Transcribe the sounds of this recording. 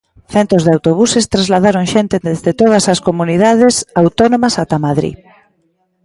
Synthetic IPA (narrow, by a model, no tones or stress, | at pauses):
θent̪ɾozðeawt̪oβ̞usest̪ɾazlaðaɾoŋʃent̪eezðet̪oð̞ɐsɐskomuniðað̞esawt̪onomɐsat̪amaðɾḭ